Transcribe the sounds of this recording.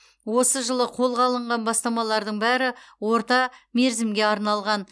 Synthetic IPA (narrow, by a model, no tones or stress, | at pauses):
wo̞səʒəlˠəqʰo̞lˠʁɑlˠəɴʁɑnbɑst̪ɑmɑlˠɑɾd̪əɴbæɾɪwo̞ɾt̪ɑme̞ɾzɪmɡʲe̞ɑɾnɑlˠʁɑn